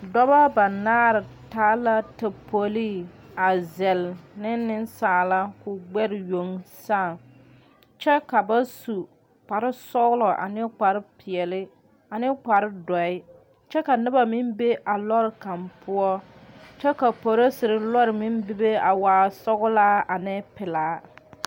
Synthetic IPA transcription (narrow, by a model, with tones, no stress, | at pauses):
dɔ˦ba˦ba˨naː˦ɾɪ˨taː˦la˦ta˨po˨li˦a˨zɛ˨lnɪ˦nːɪ˦nsaː˨la˦kʊ˨ɡ͡bɛ˦ɾɪ˨jo˨ŋsaː˦˨ | t͡ʃɛ˦ka˨ba˦su˨ | k͡pa˨ɾɪ˦sɔ˦ɣʊ˦lɔ˨ʔa̰˨nɪ˦k͡pa˨ɾɪ˦pʰɪ˨ɛ˨lɪ˦ | a˨nɪ˦k͡pa˨ɾɪ˦dɔ˨ɪ˦ | t͡ʃɛ˦ka˨nɪ˦ba˨mɪ˦mbe˦ʔa˨lɔ˦ɾɪ˨ka˨mpʰʊ˦ɔ˦ | t͡ʃɛ˦ka˨po˨ɾo˦sɪ˨ɾɪ˨lɔ˦ɾɪ˨mɪ˦mbɪ˦be˦a˨waː˨sɔ˦ɣʊ˦laː˦a˨nɪ˦pɪ˨laː˨˦